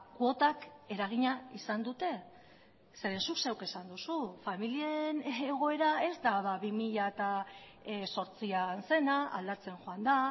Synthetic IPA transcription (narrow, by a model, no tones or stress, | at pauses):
kuo̞t̪ake̞ɾaɣ̞iɲaisand̪ut̪e̞ | se̞ɾe̞nsuksewke̞sand̪usufamilie̞neɣ̞o̞e̞ɾae̞zt̪aðaβimiʎat̪a | so̞ɾt͡sianse̞naa̰ld̪at͡se̞nʝoand̪a